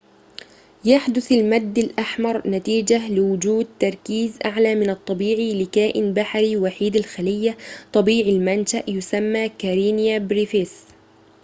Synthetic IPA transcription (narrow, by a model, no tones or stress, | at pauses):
jaħd̪ʊθalmad̪ːalʔaħmɑɾˤnat̪iːd͡ʒalɪwʊd͡ʒuːd̪̚t̪ɑɾˤkiːzʔaʕlaːmɪnɑt̪ˤːɑbiːʕilɪkaːʔɪnbaħɾiwaħiːd̪alxalɪjːat̪ˤɑbiːʕilmanʃaʔjʊsamːaːkaɾiːnjabɾifɪs